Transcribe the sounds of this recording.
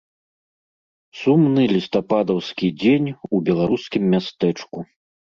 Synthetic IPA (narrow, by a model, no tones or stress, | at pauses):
sumnɨlʲist̪apad̪ɐwskʲid͡zʲenʲubʲɛlˠaɾuskʲimːʲast̪ɛt͡ʂku